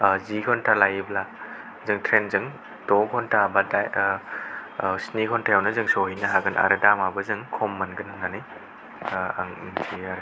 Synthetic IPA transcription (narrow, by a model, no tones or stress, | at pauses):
ziɡʰɔntʰalajibla | zɯŋtʰɾenzɯŋ | dɔkʰɔntʰabadaj | snikʰɔntʰajawnɯzɯŋsoɦinɐɦaɡɯnʔa̰ɾɯdamabɐzɯŋkʰɔmːɐnɡɯnɯnanɯj | aŋsiaɾ